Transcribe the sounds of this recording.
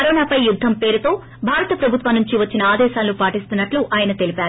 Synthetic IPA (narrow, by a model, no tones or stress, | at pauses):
ɐɾɔːnaːpɐjjud̪ʱːɐmpe̞ːɾut̪o̞ː | bʱaːɾɐt̪ɐpɾɐbʱut̪ʋɐnːuɲt͡ʃiʋɐt͡ʃːinɐaːd̪ɛːʃaːlːupaːʈist̪unːɐʈluʔaːjɐnɐt̪e̞lipaːɾu